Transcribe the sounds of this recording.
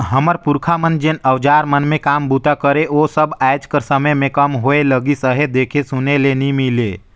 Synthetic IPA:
ɦəməɾpuɾkʰamənd͡ʒenəwd͡ʒaːɾmənmẽkaːmbut̪akəɾeoːsəbɛɪd͡ʒkəɾsəməjmẽkəmɦoeləɡisəɦed̪eːkʰesunelenimileː

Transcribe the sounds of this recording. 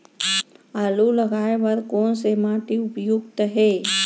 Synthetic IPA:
aːluləɡaːeʋəɾkoːnsemaːʈiʊpjuɡt̪əɦe

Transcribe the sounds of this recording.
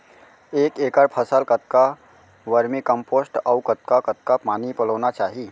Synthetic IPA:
eːkekəɾpʰəsəlkət̪̚ka | ʋəɾmikəmposʈəwkət̪̚kakət̪̚kapanipələwnat͡ʃaːɦi

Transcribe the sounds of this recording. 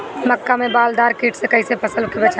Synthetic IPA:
məkːamẽbaːld̪aːɾkiːʈʰsekəisepʰəsəlkebet͡ʃʰ

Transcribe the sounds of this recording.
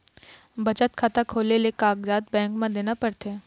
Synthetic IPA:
bɐt͡ʃət̪kʰaːt̪akʰoːlelekaːɡd͡ʒaːt̪bɛ̃ːŋkmãd̪eːnapɐɽt̪e

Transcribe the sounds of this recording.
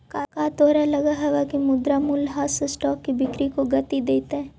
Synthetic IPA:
kaːkaːt̪oːɾalɐɡaɦɐʋakimʊd̪ɾamulɦaːsesʈɔːkːibɪkɾikoɡɐt̪id̪eːt̪eɛ̃ː

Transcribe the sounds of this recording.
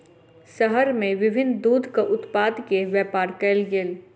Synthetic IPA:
səɦəɾmẽʋɪbʱɪnd̪uːd̪ʱkaʔʊt̪paːd̪keʋjɛːpaːɾkɛlɡeːl

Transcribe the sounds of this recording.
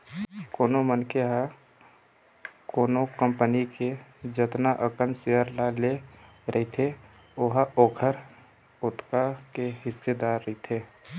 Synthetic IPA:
koːnomənkeɦa | koːnokə̃mpəniked͡ʒət̪naʔəkənseəɾlale | ɾʔəɦit̪ʰe | oɦaoːkʰəɾ | ʊt̪kakeɦɪsːed̪aːɾːəit̪ʰeː

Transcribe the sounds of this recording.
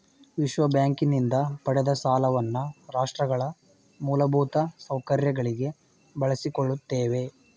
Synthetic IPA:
ʋiʃʋɐbjaːŋkinind̪ɐpɐɽɛd̪ɐsaːlɐʋɐnːuɾaːʂʈɾɐɡɐɭɐ | muːlɐbʱuːt̪ɐsɐwkɐɾjɐɡɐɭiɡe̞ | bɐɭɐsikoɭːut̪ːeːʋe̞

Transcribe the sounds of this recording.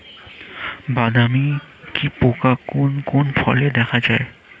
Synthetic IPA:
bad̪ami | kipokakonkonfʰɔ̰led̪ɛkʰad͡ʑae

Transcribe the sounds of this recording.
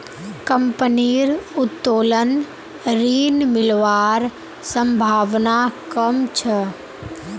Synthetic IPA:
kɐmpəniːɾʊt̪ːoːlən | ɾiːnmɪlʋaːɾ | sə̃mbʱaːʋnakəmt͡ʃʰə

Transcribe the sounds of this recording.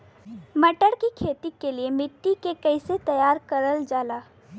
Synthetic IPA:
mɐʈəɽkikʰeːt̪ikeliemɪʈːikekɐɪset̪ɐjaːɾkɐɾəld͡ʒaːlaː

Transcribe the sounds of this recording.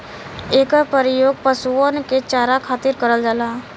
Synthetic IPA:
eːkapəɾɪjoːɡ̚pəsuonket͡ʃaːɾakʰaːt̪ɪɾkəɾəld͡ʒaːlaː

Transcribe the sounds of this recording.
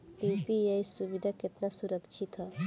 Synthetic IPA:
ʈipijɐisuʋid̪ʱakɪt̪nasuɾəkt͡ʃʰit̪ɦɐ

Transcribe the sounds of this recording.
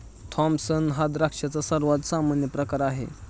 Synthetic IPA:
t̪ʰɔmsənɦad̪ɾakʂat͡sasəɾʋat̪samanjəpɾəkaɾaɦḛ

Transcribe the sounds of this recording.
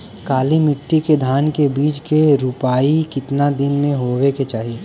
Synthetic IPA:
kaːlimɪʈːiked̪ʱaːnkebiːt͡ʃkeɾupaːikɪt̪nad̪ɪnmẽɦoːweket͡ʃaːɦi

